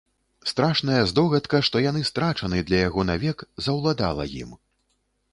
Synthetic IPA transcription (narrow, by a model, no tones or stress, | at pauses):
st̪ɾaʂnɐjɐzd̪ɔɣɐt̪kɐʂt̪ɔjanɨst̪ɾat͡ʂɐnɨd̪lʲɐjaɣɔnavʲɛkzɐwlˠad̪a̰lˠɐ̰jḭm